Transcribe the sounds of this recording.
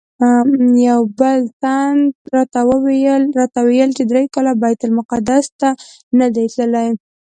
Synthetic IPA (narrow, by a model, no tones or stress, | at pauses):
jawbəlsand̪ɾɑt̪awəwejəlɾɑt̪awejəlt͡ʃed̪ɾejkɑlabajat̪ʊlmʊqad̪ast̪a | nad̪ajt̪ləlaj